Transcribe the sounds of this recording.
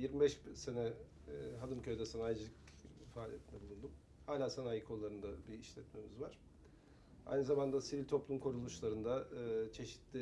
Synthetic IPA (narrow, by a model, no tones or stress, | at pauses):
jiɾmibɛʃbse̞nɛ | ɦad̪ɯncʰø̞jd̪ɛsanaːjd͡ʒɯlˠɯcfaːlʲije̞t̪ʰind̪ɛbulˠund̪um | haːlʲaːsanaːjɯkʰo̞lˠːaɾɯnd̪abiiʃlʲɛt̪me̞mizvaɾ̥ | a̰jnɯzamand̪asivilʲt̪ʰo̞plˠumkʰoɾulˠuʃlˠaɾɯnd̪at͡ʃʰe̞ʃi̥t̪lʲɪ